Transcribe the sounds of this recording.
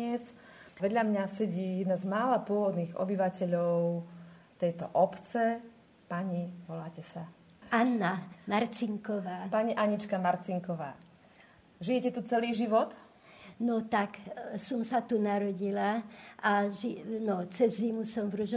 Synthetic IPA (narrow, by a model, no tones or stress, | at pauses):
ɛt͡s | ʋɛd̪ʎamɲasɛɟiːnazmaːlapʊɔʋɔd̪niːɣɔ̰biʋacɛʎɔʊt̪ɛjt̪ɔ̰ʔɔpt͡sɛ | paɲiʋɔlaːcɛsa | anːamaɾt͡siŋkɔʋaːpaɲiʔaɲit͡ʃkamaɾt͡siŋkɔʋa̰ː | ʒijɛcɛt̪ut͡sɛliːʒiʋɔt̪ | nɔt̪aksɔmsat̪unaɾɔɟilaʔaʒinɔt͡sɛzːimusɔmvɾuʒ